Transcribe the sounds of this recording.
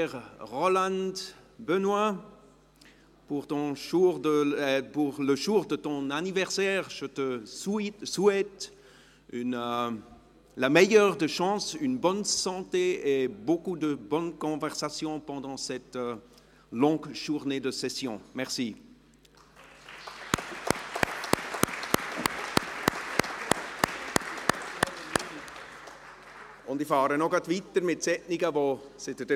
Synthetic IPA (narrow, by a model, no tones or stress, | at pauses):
ɛʁʁɔlɑ̃nd̪bənwa | puʁt̪ɔ̃ʃuʁdəpuʁləʒuʁd̪ət̪ɔ̃nanivɛʁsɛːʁʒət̪əsiswɛt̪ | yn | lamɛjœːʁd̪əʃɑ̃synbɔnsɑ̃t̪eebokud̪əbɔnkɔ̃vɛʁsasjɔ̃pɑ̃d̪ɑ̃sɛt̪ | lɔ̃ɡʒuʁned̪əsɛsjɔ̃mɛʁsi | ɔ̃nd̪ifaːɾənɔ̃kat̪vit̪ːəɾmesɛʔnikavo | set̪ɛt̪